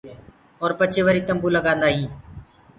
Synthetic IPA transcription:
ɔːɾpət͡ʃʰeːʋəɾiːt̪əmbuːləɡãːnd̪aːɦĩː

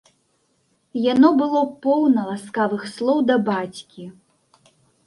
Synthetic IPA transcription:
janɔbɨlˠɔpɔwnɐlˠaskavɨxslˠɔwd̪ɐbat͡sʲkʲi

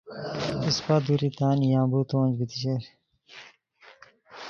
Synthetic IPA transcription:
ispaːd̪uɾit̪aːnjãːbuːt̪õnd͡ʑbit̪iɕeɾ

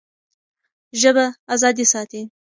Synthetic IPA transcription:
ʒəbaazɑd̪isɑt̪i

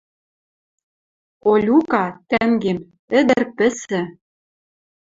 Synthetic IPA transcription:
olʲukɑt̪æŋɡem | ɘ̆d̪ɘ̆rpɘ̆sɘ̆

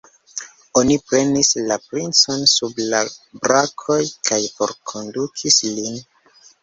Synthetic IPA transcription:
o̞nipɾe̞nislapɾint͡so̞nsublabɾakʰo̞jkʰajpo̞̰ɾkʰo̞ndukʰislin

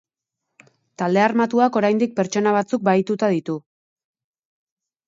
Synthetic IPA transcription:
t̪ald̪e̞armat̪uako̞ɾajnd̪ik̚pe̞ɾt͡ʃo̞naβ̞at͡suk̚bajt̪ut̪aðit̪u

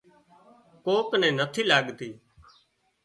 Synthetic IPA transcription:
koːknɛ̃ːnət̪ʰiːlaːɠt̪iː

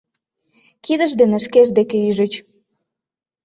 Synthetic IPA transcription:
kid̪əʒd̪enĕʃkeʒd̪ekeyʒət͡ɕ

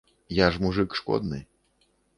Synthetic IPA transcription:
jaʐmuʐɨkʂkɔ̰d̪nɨ̰

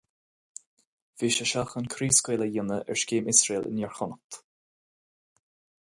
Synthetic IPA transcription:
viːʃəʃaxənkʰɾiːskweːləjɪnəʔɛ̰ɹʃkeːmɪsɹeːlɪ̰njɛɹxʊnət̪

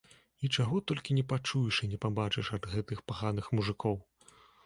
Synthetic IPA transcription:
it͡ʂaɣɔt̪ɔlʲkʲinʲɛpat͡ʂujiʂinʲɛpabat͡ʂɨʂɐd̪ɣɛt̪ɨxpaɣanɨxmuʐɨkʰɔw

